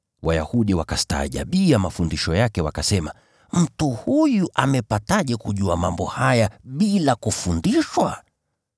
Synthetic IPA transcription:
waja̰huɗiwakasta̰ːʄa̰ɓiamafundiʃɔjakɛwakasɛma | m̩tuhujuʔamɛpataʄɛkuʄuamambɔhajaɓilakufundiʃwa

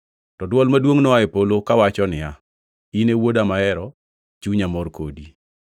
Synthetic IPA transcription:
tɔdwɔlmadwoŋnɔaɛpolokawat͡ʃɔnɪja | inewodamaɛɾɔ | t͡ʃuɲamɔrkodi

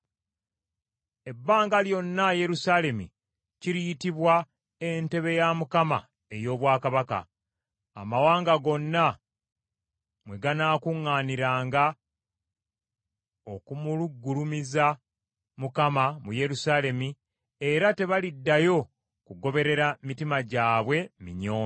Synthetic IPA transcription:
e̞bːaːŋɡaljo̞nːaje̞ɾusaːle̞mḭ | ciɾijitiβwa | e̞nte̞βe̞jamukama̰ | e̞jo̞ːβwaːkaβaka̰ | a̰mawaːŋɡaɡo̞nːa | mwe̞ɡanaːkuŋːaːniɾaːŋɡa | o̞kumuluɡːulumiza | mukamamuje̞ɾusaːle̞mi | e̞ɾate̞βalidːajo̞ | kuɡo̞βe̞ɾe̞ɾamitimaɟaːβwe̞mḭɲo̞ː

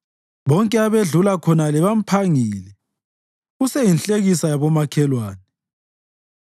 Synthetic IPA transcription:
βɔŋkʼɛaβeɮulakʰɔnalɛβam̩pʰaŋiːlɛ | ɣusɛjinɬʼeɣisajaβɔmakʰɛlwaːnɛ

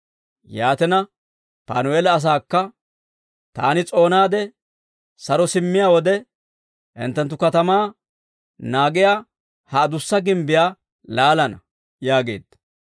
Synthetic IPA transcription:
jaːt̪ɛnɐ | pa̰ːnʊeːlɐːs̬aːkːɐ | t̪a̰ːnɪt͡sʼo̞ːnaːd̪ɛ | sɐɾɔsɪmːɪjaːwɔd̪ɛ | hɪ̰nt̪ːɛnt̪ːʊkɐt̪ɐmaː | naːɡɪjaː | hɐːd̪ʊsːɐɡɪmbɪjaː | laːlɐnɐ | jaːɡe̞̰ːd̪ːɐ

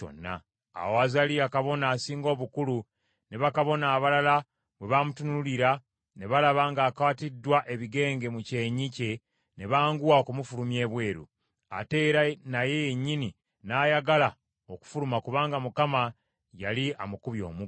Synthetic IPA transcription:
o̞̰nːa̰ː | woazaliakaβo̞naːsiːŋɡo̞ːβukulu | ne̞βakaβo̞naːβalala | βwe̞βamutunuuliɾa | ne̞βalaβaŋɡaːkawatidːwaʔe̞βiɡe̞ːŋɡe̞muce̞ɲice̞ | ne̞βaːŋɡuwaokumufulumje̞ːβwe̞ːɾṵ | a̰te̞ɾanaje̞jeɲːini | naːjaɡala | oku̥fulumakuβaːŋɡamukama | jaliamukuβjo̞̰ːmu

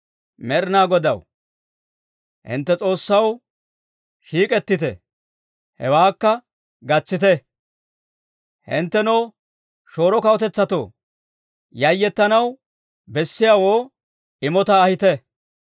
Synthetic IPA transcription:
mɛɾɪnaːɡɔd̪ɐ̰w | hɪ̰nt̪ːɛt͡sʼo̞ːsːɐw | ʃiːkʼɛt̪ːɪt̪ɛ̰ | hɛ̰waːkːɐ | ɡɐt͡sːɪt̪ɛ | hɪ̰nt̪ːɛnoː | ʃo̞ːɾɔkɐwɔt̪ɛt͡sːɐt̪o̰ː | jɐjːɛt̪ːɐnɐw | bɛsːɪjaːwoː | ɪmɔt̪ɐːhɪt̪ɛ

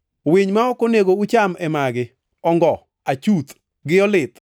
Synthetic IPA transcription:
weɲmaɔkɔneɡout͡ʃamɛmaɡɪ | ɔŋɡɔ | at͡ʃut̪ | ɡɪɔlɪt̪

